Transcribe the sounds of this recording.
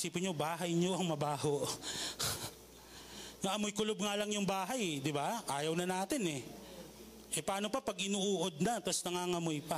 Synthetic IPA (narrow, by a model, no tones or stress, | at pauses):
siːpɪnɲobaːɦɐjɲoʔɐŋmɐbaːhoʔ | ŋɐʔɐmojkʊlob̚ŋalɐŋjʊŋbaːɦɐjd̪ɪbaʔaːjɐwnɐnaːt̪ɪnɛ | ʔɛpaːno̞pɐpɐɡʔɪnuːʔuːʔod̪̚nɐt̪osnɐŋaŋɐmojpɐ